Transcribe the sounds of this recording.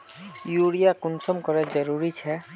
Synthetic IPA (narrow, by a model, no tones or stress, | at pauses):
juɽijakʊnsɔmkɔɾɛd͡ʒəɾuɾit͡ʃʰɛ